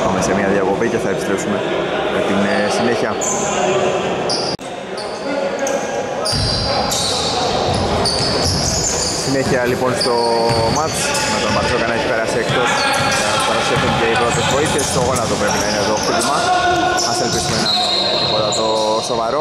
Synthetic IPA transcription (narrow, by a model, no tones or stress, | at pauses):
pɐmese̞miɐðiɐkopiceθɐepi̥st̪ɾe̞psume̞met̪insine̞çiɐ | sine̞çiɐlipo̞nst̪o̞mɐt͡s | nɐt̪onmɐɾesokɐnɐeçi̥peɾɐsekt̪os | ɐspɐɾɐsefuɲceipɾot̪esvo̞iθe̞st̪oɣonɐt̪opɾe̞pinɐine̞ðo̞xlimɐ | ɐselpisume̞nɐ | pot̪ɐt̪o̞ | so̞vɐɾo̞